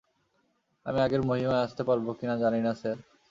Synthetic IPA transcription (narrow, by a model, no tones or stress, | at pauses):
a̰miaɡeɾmoɦimaeaʃt̪epaɾbokinad͡ʑaninasaɾ